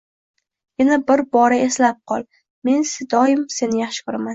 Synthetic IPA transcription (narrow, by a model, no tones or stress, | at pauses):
jɪnabɪɾbɒɾae̞slap̚qʰɒlˠ | me̞nsɪd̪ɒjɪmse̞nɪjaχʃɪ̥kʊɾaman